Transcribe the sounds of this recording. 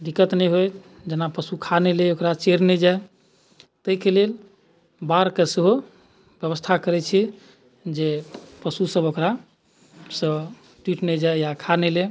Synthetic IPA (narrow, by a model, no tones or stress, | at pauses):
d̪ikət̪nɛjɦoj | d͡ʒənapəsukʰaneleokɾat͡ʃeɾnɛd͡ʒae | t̪əikelel | baɾkeseɦo | bjəβəst̪ʰakəɾɛt͡ʃʰɛ | d͡ʒepəsusəbokɾa | sə̃ | ʈiʈnɛd͡ʒaejakʰanɛle